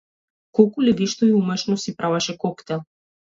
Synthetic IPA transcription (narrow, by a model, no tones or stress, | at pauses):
kɔlˠkulʲɛd̪iʃt̪ɔiumɛʃnɔsipɾʔavaʃɛkɔkt̪ɛlˠ